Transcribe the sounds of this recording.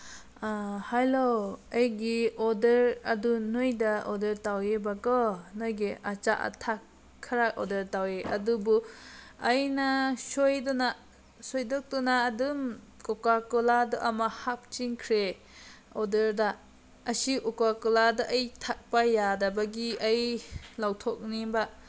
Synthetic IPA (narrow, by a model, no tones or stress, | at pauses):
ahajloajɡiɔdeɾɐdunojdaɔdeɾtawebakɔnojɡiʔat͡ʃaʔa̰tʰakʰː | aɾaʔɔ̰dɐɾtaweʔɐ̰dubuajnasojdɔna | sojdɔk̚dɔnaːdum | kɔkakɔladɔʔamahap̚t͡ʃiŋkʰɾe | ɔdeɾdaː | siʔɔkakɔladaʔːjtʰak̚pajadabaɡiajlawtʰɔk̚niba